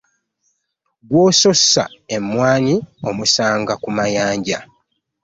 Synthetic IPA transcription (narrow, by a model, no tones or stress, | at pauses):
ɡwoːso̞sa̰e̞mːwaːnio̞musaːŋɡakumajaːɲɟa